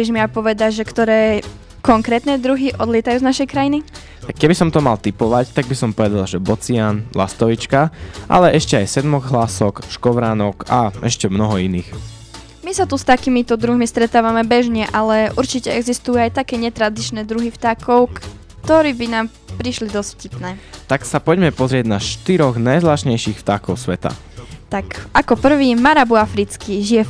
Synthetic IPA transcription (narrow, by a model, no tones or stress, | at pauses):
bɛʒmiapɔʋɛd̪aʒɛkt̪ɔɾɛː | kɔŋkɾɛːt̪nɛd̪ɾuɦiʔɔd̪lɪɛt̪ajuːznaʃɛjkɾajini | t̪akːɛbisɔmt̪ɔmalˠt̪ipɔʋact̪aɡ̚bisɔmpɔʋɛd̪alʒɛbɔt͡sianla̰st̪ɔʋit͡ʃkaʔa̰lɛʔɛʃcɛajsɛd̪mɔɣɦlasɔkʃkɔʋɾaːnɔkaɛʃcɛmnɔɦɔiniːx | misat̪ust̪akiːmit̪ɔd̪ɾuɦmist̪ɾɛt̪aːʋamɛbɛʒɲɛʔalɛʔuɾt͡ʃicɛɛɡzist̪ujuajt̪akɛːɲɛt̪ɾad̪it͡ʃnɛːd̪ɾuɦift̪aːkɔʊk | t̪ɔɾiːbinaːm | pɾiʃlid̪ɔscfcipnɛːt̪aksapɔɟmɛpɔzɾɪɛɟnaʃt̪iɾɔɣnajzlaːʃɲɛjʃixft̪aːkɔʊsʋɛt̪a̰ | t̪akakɔpr̩ʋiːmaɾabuafɾit͡skiʒiɛ